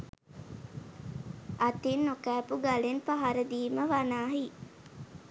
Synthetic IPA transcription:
at̪inːokæːpuɡalenpaɦaɾəd̪iːməʋanaːɦi

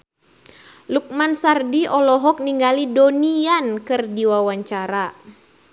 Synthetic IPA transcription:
luk̚mansardiɔlɔɦɔk̚niŋɡalidoniankɨrdiwawaɲt͡ʃaɾa

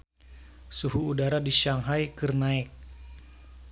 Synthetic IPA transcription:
suɦuːdaɾadiʃaŋɦajkɨrnaɪk̚

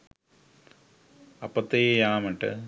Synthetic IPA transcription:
ɐpːɐt̪ːejejaːmɐʈːɨ̰

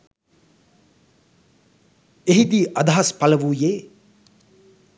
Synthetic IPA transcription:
eɦid̪iːʔad̪ɐɦɐspalɐʋuːjeː

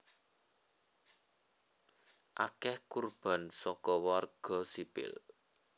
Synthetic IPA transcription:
ʔakɛhkurb̥a̤nsɔkɔwarɡ̥ɔ̤sipɪ̰l

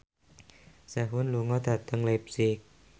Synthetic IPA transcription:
saɦunluŋɔt̪ʰat̪ːaŋlep̚sik̚

